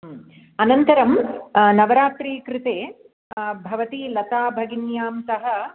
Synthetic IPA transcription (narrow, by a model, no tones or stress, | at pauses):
ɐnɐnt̪ɐɾɐmnɐʋɐɾaːt̪ɾiːkɾɪt̪eː | bʱɐʋɐt̪ilɐt̪aːbʱɐɡinjaːmsɐɦɐ